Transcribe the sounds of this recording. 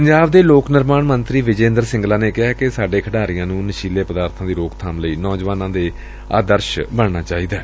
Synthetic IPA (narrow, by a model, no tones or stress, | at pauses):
pəɲd͡ʒaːbd̪eːloːknəɾmaːɳmənt̪ɾiːʋɪd͡ʒẽːnd̪əɾsɪ̃ŋɡlaːneːkɪɦaːkesaːɖeːkʰəɖaːɾijãːnũːnəʃiːleːpəd̪aːɾt̪ʰãːd̪iːɾoːkt̪ʰaːmləiːnɔːd͡ʒʋaːnãːd̪eː | a̰ːd̪əɾʃbəɳnaːt͡ʃaːiːd̪aː